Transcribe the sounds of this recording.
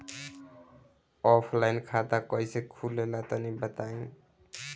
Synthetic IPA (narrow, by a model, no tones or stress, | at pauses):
ɔpʰlajnkʰat̪akɔjsekʰulelat̪ɔnibət̪aĩ